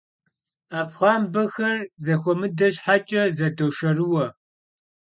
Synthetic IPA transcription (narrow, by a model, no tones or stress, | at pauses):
aːpχʷɑːmbɐxɐrzɐxʷɔmɨdɐɕħat͡ʃʼɐzɐdowʃɐrɨwɐ